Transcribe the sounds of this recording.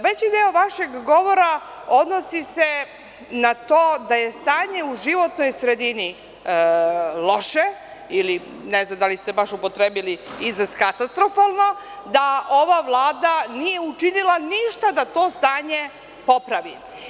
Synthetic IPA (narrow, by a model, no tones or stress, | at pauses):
ʋet͡ɕid̪eoʋaʃe̞ɡːo̞ʋo̞ɾaod̪no̞sise̞ | nat̪oːd̪aje̞st̪aːɲe̞uʒiʋo̞t̪no̞jsɾe̞d̪ini | lo̞ʃeili | neznamd̪alist̪ebaʃupo̞t̪ɾebiliizɾaskat̪ast̪ɾo̞falˠno̞ | d̪aʔo̞ʋaʋlˠaːd̪anije̞ut͡ʃinilˠaniʃt̪ad̪at̪o̞ːst̪aːɲe̞ | po̞pɾaʋi